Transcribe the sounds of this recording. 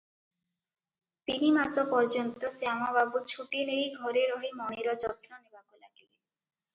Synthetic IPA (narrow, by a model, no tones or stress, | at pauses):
t̪inimasɔpɔɾd͡ʒɔnt̪ɔseaw̃ababut͡ʃʰuʈinejɡʱɔɾeɾɔɦimɔɽ̃eɾɔd͡ʒɔt̪ɾɔnebakula̰ɡibe